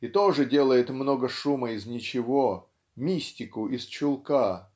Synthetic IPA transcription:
it̪oʐɨdʲe̞lˠəjɪt̪mno̞ɡəʂuməɪznʲɪt͡ɕɪvo | mʲisʲtʲɪkʊʔɪst͡ɕʊlˠka

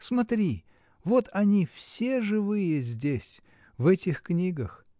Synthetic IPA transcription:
smɐt̪ɾʲi | vo̞t̪ʰɐnʲifsʲeʐɨvɨjəzʲdʲesʲ | vɛtʲɪxknʲiɡəx

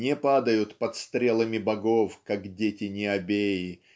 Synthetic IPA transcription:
nʲɛpad̪əjʊt̪pɐt̪st̪ɾʲelˠəmʲɪbɐɡofkakdʲetʲɪnʲɪɐbʲejɪ

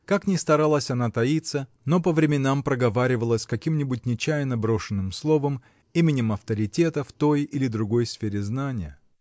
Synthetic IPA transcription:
kaknʲɪst̪ɐɾalˠəsʲɐnat̪ɐit̪sə | no̞pəvɾʲɪmʲɪnampɾəɡɐvaɾʲɪvəlˠəsʲkɐkʲimnʲɪbʊt̚ʲnʲɪt͡ɕæjnəbɾo̞ʂɨnːɨmslˠo̞vəm | imʲɪnʲɪmɐft̪əɾʲɪtʲe̞t̪əft̪o̞jɪlʲɪd̪ɾʊɡo̞jsfʲeɾʲɪznanʲɪjə

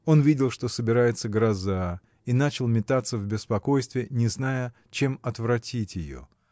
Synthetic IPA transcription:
o̞nvʲidʲɪlˠʂt̪o̞səbʲɪɾajɪt̪səɡɾɐza | inat͡ɕɪlˠmʲɪt̪at̪səvbʲɪspɐko̞jst̪vʲɪənʲɪznajə | t͡ɕe̞mɐt̪vɾɐtʲitʲjɪjo̰

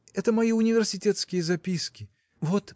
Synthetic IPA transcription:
ɛt̪əmɐiʊnʲɪvʲɪrsʲɪtʲet̪skʲɪjəzɐpʲiskʲɪ | vot̪

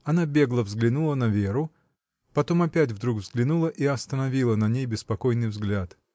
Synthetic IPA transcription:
ɐnabʲe̞ɡlˠəvzɡlʲɪnulˠənɐvʲeɾʊ | pɐt̪o̞mɐpʲætʲvd̪ɾuɡvzɡlʲɪnulˠəʔiɐst̪ənɐvʲilˠənɐnʲejbʲɪspɐko̞jnɨjvzɡlʲat̪

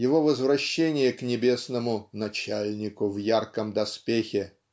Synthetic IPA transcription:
jɪvo̞vəzvɾɐɕːenʲɪjəknʲɪbʲe̞snəmʊnɐt͡ɕalʲnʲɪkʊvjarkəmd̪ɐspʲexʲɪ

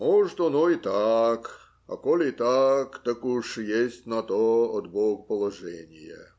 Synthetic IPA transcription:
moʐɨt̪ɐnoit̪ak | ɐ̰kolʲit̪akt̪ɐkuʂjesʲtʲnɐt̪oɐd̪boɡpəlˠɐʐɛnʲɪjə̰

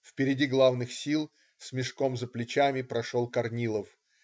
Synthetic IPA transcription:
fpʲɪɾʲɪdʲiɡlˠavnɨxsʲilˠ | sʲmʲɪʂko̞mzəplʲɪt͡ɕamʲɪpɾɐʂolˠkɐrnʲilˠəf

